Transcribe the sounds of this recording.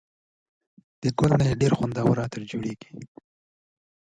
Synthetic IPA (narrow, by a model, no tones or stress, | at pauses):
d̪̥əɡʊlnajeɖeɾxand̪ɑwəɾɑt̪əɾd͡ʒoɽeɡi̥